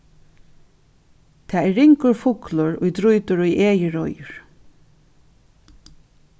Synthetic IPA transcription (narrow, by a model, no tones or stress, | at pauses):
t̪ʰaːɛɹːɪŋkʊɹfʊklʊɹʊ̰jt̪ɾʊjt̪ʊɹʊjʔeːjəɹɔjʊɹ